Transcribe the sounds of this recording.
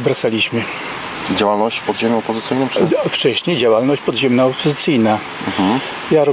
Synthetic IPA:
bɾat̪salʲiɕmɘ | d͡ʑawalnɔɕt͡ɕpɔd̪ʑemʲjɛɔpɔzɘt̪sɘjnɨmpʂft͡ʂɛɕɲejd͡ʑawalnɔɕt͡ɕpɔd̪ʑɛmnaɔpɔzɨt̪sɘjna | m̩ | jaɾɔ

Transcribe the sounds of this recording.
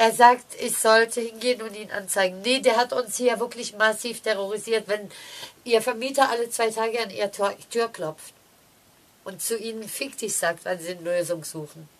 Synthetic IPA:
ʔeːɐzaːktʔɪçz̥ɔltʰəhɪnɡeːənʊntiːnʔa̰nt͡saɪɡŋ̩nədeːɐɦatʊnshiːɐvɪɐklɪçmasiːftʰɛʁoʁ̞iziːɐtv̥ɛnʔiːɐfɛɐmiːtɐʔalət͡sv̥aɪtʰaːɡəanʔḭːʁtʰyːɐkl̥ɔp͡ft | ʔʊntt͡suʔiːnənfɪktʰɪçz̥aːktv̥anziːnəløːzʊŋz̥uːxn̩

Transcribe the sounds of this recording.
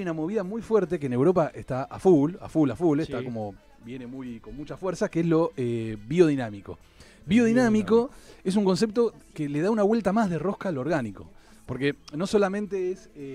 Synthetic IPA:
ajunamo̞β̞iðamujfweɾt̪e̞k̬eːne̞wɾo̞p̬aʔeht̪aʔa̰fula̰fulafulest̪ako̞mo̞ | bje̞ne̞mujko̞nmut͡ʃafweɾsakeezlo̞eβio̞ð̞inamiko̞̰ | βio̞ðinamiko̞es̬uŋko̞ns̬e̞p̚t̪o̞kele̞ðaunaβwe̞lt̪amazðero̞hkaloːɾɣaniko̞̰ | po̞ɾkeno̞so̞lamẽnt̪eese

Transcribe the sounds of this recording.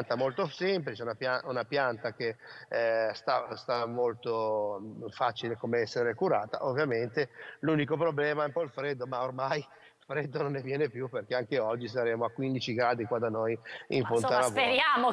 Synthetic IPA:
nt̪amolt̪osemp̬lit͡ʃɛunapjaunapjant̪ak̟e | st̪ast̪amolt̪o | faːt͡ʃilekomeɛsːeɾekuɾaːt̪a̰ʔovːjament̪eluːnikopɾoblɛːmaɛumpɔilfɾed̪ːomaormaj | lfɾɛd̪ːononːevjɛːnepjuperk̟eaŋk̟eɔd͡ʒːis̬aɾeːmoakwind̪it͡ʃiɡɾaːd̪ikwad̪anojiɱfont̪aɾaveɾjaːmo

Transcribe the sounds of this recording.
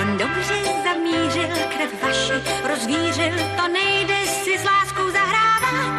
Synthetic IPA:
ndobr̥ɛzamiːr̝ɪlkɾɛfvaʃɪɾozviːr̝ɪlt̪onɛjdɛʃsɪzlaːskowzaɦɾaːvat̪

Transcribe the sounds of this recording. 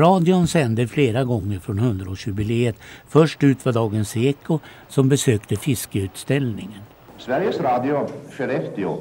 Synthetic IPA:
ɾɑːd̪ɪʊnsɛnd̪əfleːɾaɡɔŋːəɾfɾɔnhɵnd̪ɾaoːɕjʉbɪleːət̪fœʂʈʉ̟ːt̪vɑd̪ɑːɡənseːkʊ | sɔmbɛsøːkt̪əfɪskəʉ̟ːt̪st̪ɛlnɪŋən | svæɾjəsɾɑːd̪ɪʊføɾɛft̪ɪo̰

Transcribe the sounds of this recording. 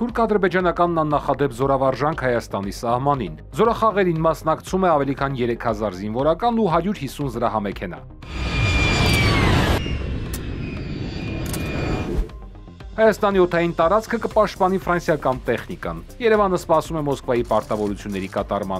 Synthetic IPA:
t̪ʰuɾkʰɑd̪əɾbɛd͡ʒɑn̪ɑkɑnːɑnːɑχɑd̪ɛpzɔɾɑvɑɾʒɑŋkʰhɑjɑst̪ɑnisɑhmɑnin | zɔɾɑχɑʁɛɾinmɑsnɑkt͡sʰumɛɑvɛlikʰɑnjɛɾɛkʰhɑzɑɾzinvɔɾɑkɑnuɦɑɾjuɾhisunzəɾɑhɑmɛkʰɛnɑ̰ | hɑjɑst̪ɑniɔt̪ʰɑjint̪ɑɾɑt͡skʰəkəpɑʃt̪̚pɑn̪ifɾɑnsjɑkɑnt̪ɛχnikɑ̰njɛɾɛvɑnəspɑsumɛmɔskvɑjipɑɾt̪ɑvɔɾut͡sʰjunːɛɾikɑt̪ɑɾmɑ̰n

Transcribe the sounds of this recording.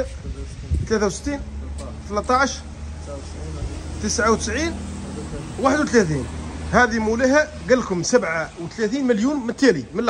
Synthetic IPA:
t̪læθawsə̥t̪ːiːn | t̪əlæt̪ˤːɑʕʃɾ | t̪əsʕawt̪ə̥sʕiːn | waħəd̪wt̪læθinhæd̪imuləhæ | ɡælːkʊmsæbʕawt̪læθiːnməljunmət̪ːæliməl

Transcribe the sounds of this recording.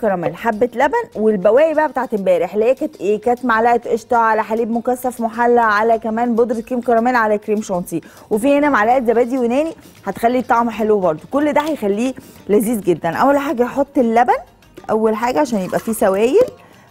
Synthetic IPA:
kɑɾˤɑmæːlħabːet̪læbænwelbæwæːʔjibæʔæbet̪aʕt̪embæːɾeħlæːjækæːt̪ʔeːkæːt̪maʕlæʔæt̪ʔeʃt̪ɑʕalæħaliːbmokæsːæfmoħalːæʕalækæmæːnbod̪ɾkɾiːmkɑɾˤɑmæːlʕalækɾiːmʃɑnsi | wefiːʔenæmaʕlæʔæt̪zæbæːd̪iwenæːni | ħæt̪e̥xælːit̪ˤːɑʕmħelwebɑɾˤd̪ˤokolːd̪æhæjexælːiːlæziːzɡed̪ːænʔæ̰wːælħaːɡæħot̪ˤːelːæbæn | ʔæ̰wːælħaːɡæʕaʃæːnjebʔæfiːsæwæːjel

